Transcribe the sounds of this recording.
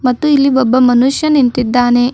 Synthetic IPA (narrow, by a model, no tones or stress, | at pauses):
mɐt̪ːuilːiʋɔbːɐmɐnuʂjɐnint̪id̪ːaːne̞